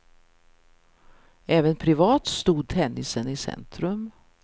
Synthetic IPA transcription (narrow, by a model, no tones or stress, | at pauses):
ʔɛːvənpʰɾɪvɑːt̪st̪uːd̪̚t̪ʰɛnːɪsənɪsɛ̰nt̪ɾɵm